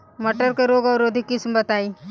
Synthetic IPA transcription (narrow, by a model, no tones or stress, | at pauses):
mɐʈəɾkeɾoːɡɐɾoːd̪ʱikɪsmbɐt̪aːi